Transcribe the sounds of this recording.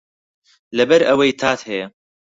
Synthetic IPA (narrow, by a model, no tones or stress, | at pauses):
lɐbɐɾʔɐwɐjt̪ʰaːt̪hɛjɛ